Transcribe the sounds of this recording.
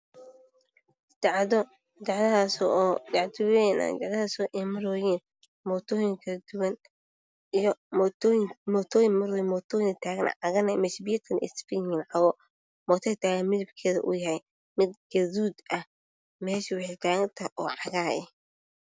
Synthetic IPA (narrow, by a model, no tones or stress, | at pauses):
d̪ʕɔ | d̪ɑʕðasɔdɑʕd̪ʊwɛna̰d̪ɑʕdɐasɔʔɛmɐɾɔːjɛːn | mɔːt̪ʰɔːjɪŋkʰɐd̪ʊwɐn | ijɔ | mɔːt̪ʰɔːjɪŋmɐɾɔjɪmɔːt̪ʰɔːjɪŋt̪ʰaːɣɐ̰nʔʕɑɣɐnɐmɛʃbiɐt̪ʰɐnɪspiŋɪnʕɑɣɔ | mɔːt̪ʰɐt̪ʰaːɣɐnmɪðɐbkʰɛːðɐ̰ʔʊ̰jɐhɛj | mɪd̪ɡɐðuːd̪ɐh | mɛːʃɪwɑħit̪ʰaːɣɐt̪ʰɐʔɔːʕɑɣaːjɛ̰